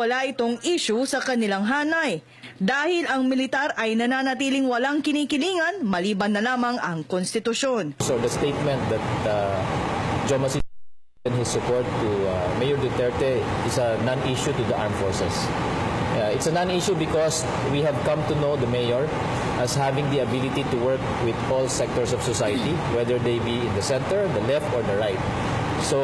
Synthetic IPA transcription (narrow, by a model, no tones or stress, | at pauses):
wɐlaʔɪt̪oŋʔiːʃʊsɐkɐnɪlaŋɦaːnɐj | d̪aːhɪlɐŋmɪlɪt̪aɾʔɐjnɐnaːnɐt̪̬iːlɪŋwɐlaŋkɪniːkɪliːŋɐnmɐliːbɐnːɐlaːmɐŋʔɐŋkonst̪ɪt̪ʊʃo̞nsɔɹd̪ɐst̪eɪt̪̚mɛ̃nt̪̚d̪ɐt̪̚ | d͡ʒomɐsi | ɪnhɪsːʊpɔɹt̪ːumejɔɹd̪ɛt̪ɛɹt̪ɛɪsɐnãniʃut̪ud̪ɐʔaɹmfɔɹsɛ̰s | ʔɪt̪sɐnãniʃubɪkɔs | wihɛvkʌ̃mt̪unod̪ɐmejɔɹ | ʔɐshavɪ̃ŋd̪iɐbɪlɪt̪it̪uwɛɹk̚ | wɪd̪ɔlsɛk̚t̪ɔɹsɔv̥sɔsajɐt̪i | wɛd̪əɹd̪ejbiɪ̃nd̪ɐsɛ̃nt̪ɛɹd̪ɐlɛft̪ɔɹd̪ɐɹajt̪̚ | so